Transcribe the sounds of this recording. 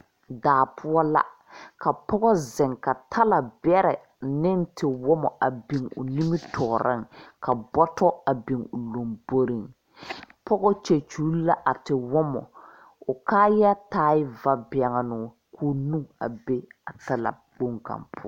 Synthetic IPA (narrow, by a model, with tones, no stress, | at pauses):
daː˨pʰʊ˦ɔ˦la̰˦ | ka˨pɔ˦ɣɔ˦zɛ˨ŋka˨tʰa˦la˨bɛ˦ɾɛ˨ | nɪ˦n˦tʰɪ˨wɔ˦mɔ˨ʔa˨bi˨ŋʊ̰˨ni˦mɪ˦tʰɔ˨ɾʔɪ̰˦ŋkʰa˨bɔ˦tɔ˦a˨bi˨ŋʊ˨lo˨mbo˦ɾi˨ŋ | pɔ˦ɡɔ˦t͡ʃe˨t͡ʃu˨˦la˦ʔa˨tɪ˨wɔ˦mɔ̰˨ | ʊ˨kaː˦ja˦taː˦ɪ˦va˨bɪ˨a˨ŋa˨nʊ˨ | kʰuː˦nũ˦a̰˨be˦a˨ta˦la̰˨ | k͡po˦ŋka̰˨mpʰʊ˦ɔ˦